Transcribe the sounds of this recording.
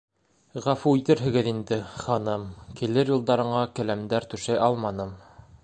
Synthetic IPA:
ʁɑfuit̪ɘɾɦɘ̆ɡɘðind̪ɘχɑnɤmkilɘɾjulˠd̪ɑɾɤ̆ɴɑkælæmd̪æɾt̪ʉ̆ʃæjʔɑlˠmɑnɤm

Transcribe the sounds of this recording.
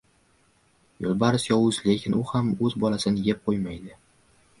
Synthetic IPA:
jolˠbaɾɪsjɒwʊzle̞kʲʰɪnʊhamɵzbɒlasɪnɪjep̚qʰojmajd̪ɪ

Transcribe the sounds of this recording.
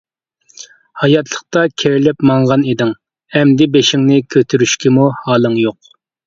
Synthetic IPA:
hɑjɑt̪ʰlˠəq̚t̪ɑkʲʰeɾɪlɪpmɑɴʁɑnid̪ɪŋ | ɛmd̪ɪbeʃɪŋnɪkʲʰøt̪ʰyɾyʃkʲimuhɑːlˠɨŋjoq

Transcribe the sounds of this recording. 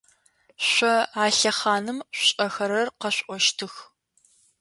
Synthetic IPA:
ɕʷɔaːɬɐχɑːnɨmɕʷʼɐxɐɾɐrqɐɕʷʔʷɔʃtʰɨx

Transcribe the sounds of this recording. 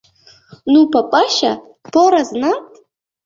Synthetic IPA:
nupʰapʼaʃa̰ | pʰoɾaznatʼ

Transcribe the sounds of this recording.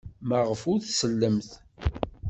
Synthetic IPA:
məʁəfʊɾθsəlːəmθ

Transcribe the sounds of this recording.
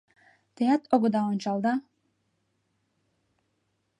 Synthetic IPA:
t̪ejæt̪oɣɤ̆d̪ɑonʲt͡ɕɑlˠd̪ɑ

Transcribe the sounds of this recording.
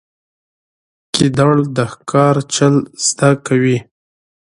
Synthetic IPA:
kid̪aɽd̪əxkɑɾt͡ʃəlz̥d̪akawi

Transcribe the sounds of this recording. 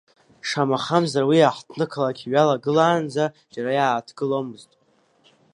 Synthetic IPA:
ʂamaχamzarwiaħtʰnɨkʰalakʲʰiɥalaɡɨlaːnd͡za | d͡ʒaɾajaːtʰɡ̥ɨlomɨztʼ

